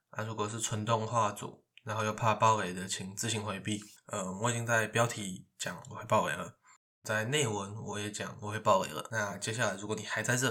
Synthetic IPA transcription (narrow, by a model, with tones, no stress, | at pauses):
a̰˥˩ɻu˧˥kwɔ˨˩ʂ̬ɻ̩˥˩t͡sʰwə˧˥nt̪ʊ˥˧ŋxwa˥˩t͡sṵ˨˩˦ | na˨˦nxo˥˧ʊjo˥˧ʊpʰa˥˩pɑ˥˧ʊe˨ɪd̪ə˨t͡ɕʰi˧˥ŋt͡sɹ̩˥˧˩ɕi˧˥ŋxwe˧˥ɪpi˥˩ə˧wɔ˧˨˩t͡ɕi˥nt͡sa˥˩ɪpjɑ˥ʊt̪ʰi˧˥t͡ɕjɑ˨˦ŋwɔ˨˩xwe˥˧pɑ˥ʊwḛ˨˩ɪlə̰˦ | t͡sa˥˧ɪne˥˩ɪwə˧˦nwɔ˨˦jɛ˧˥˦t͡ɕjɑ̰˨˦ŋwɔ̰˨˩xwe˥˧ɪpɑ˥˩ʊḛ˨˦ɪlə̰˩˦na˥˩t͡ɕjɛ˥ɕja˥˩la˧˥ɪɻu˧˥ko˨˩˦ni˨˩xa˧˥ɪt͡sa˥˧ɪʈ͡ʂɤ˥˨